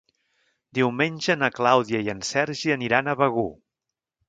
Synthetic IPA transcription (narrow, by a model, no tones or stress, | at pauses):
d̪iwmenʲʒənəklawðiəiənsɛɾʒiəniɾanəβəɣu